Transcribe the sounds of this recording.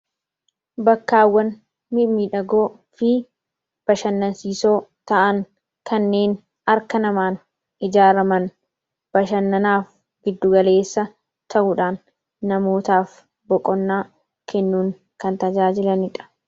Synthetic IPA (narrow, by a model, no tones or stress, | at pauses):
bɐkːaːwːɐn | mɪmiᶑɐɡoː | fɪ | b̥ɐʃɐnːɐnsiːso̞ːt̪ɐʔɐŋ | kɐnːe̞ːn | ɐɾkɐnɐmaːn | ɪd͡ʒaːɾɐmɐn | b̥ɐʃɐnːɐnaːf | ɡɪd̪ːʊɡɐle̞ːsːɐ | t̪ʰɐʔʊᶑaːnː | ɐmo̞ːt̪aːf | bɔkʼɔnːaː | kɛnːuːŋ | kɐnt̪ɐd͡ʒaːd͡ʒɪlɐnɪᶑɐ̥